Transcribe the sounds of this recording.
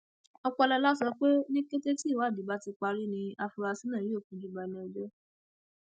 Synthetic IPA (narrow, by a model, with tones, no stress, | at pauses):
ɔ˧k͡pɔ˧lɛ˧la˦sɔ˧k͡pe˦nĩ˦ke˦te˦ti˦˨wa˨˦˨di˨˦ba˦ti˧k͡pa˧ɾi˦nĩ˧a˧fu˧ɾa˧si˦nã˦˨ji˦o˦˨kũ˧d͡ʒu˦˨ɡ͡ba˨nĩ˦ɛ˨d͡ʒɔ˦